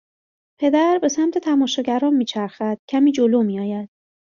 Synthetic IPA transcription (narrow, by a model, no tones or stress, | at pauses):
pʰe̞d̪æɾbe̞sæmt̪ʰe̞t̪ʰæmɒːʃɒːɟæɾɒːnmiːt͡ʃʰæɾxæd̪̥cʰæmiːd͡ʒoloːmiːjɒːjæd̪̥̚